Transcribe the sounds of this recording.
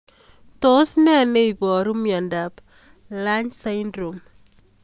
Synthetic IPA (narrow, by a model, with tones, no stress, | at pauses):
to˦snɛ˦ne˦ibɔ˨ɾu˦mja˨ndap | la˦ɲsa˦jndɾo˨m